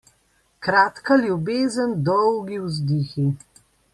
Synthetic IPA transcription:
kɾaːt̪kaljubeːzənd̪ɔwɡiwzd̪ixi

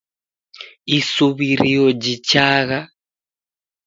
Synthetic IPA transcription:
isuβiɾijɔd͡ʒit͡ʃaɣa

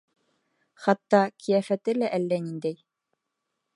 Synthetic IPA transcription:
χɑt̪ːɑkʰijæfæt̪ɘlæʔælːænind̪æj

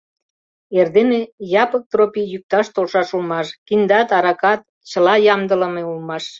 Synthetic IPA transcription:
erd̪enejɑpək̚t̪ropijyk̚t̪ɑʃt̪olʃɑʃulmɑʃkind̪ɑt̪ɑɾɑkɑt̪̚ | t͡ɕəlɑjɑmd̪ələmeulmɑʃ

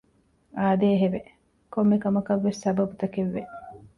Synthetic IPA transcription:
aːd̪eːɦeʋe | komːekɐmɐkɐʋːesːɐbɐbut̪ɐkeʋːe

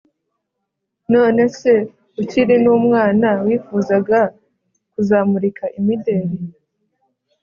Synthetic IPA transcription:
no̞ːne̞se̞ | uciɾinuːmŋaːnawiːfuzaɡa | kuzaːmuɾikʰaʔimide̞ɾi

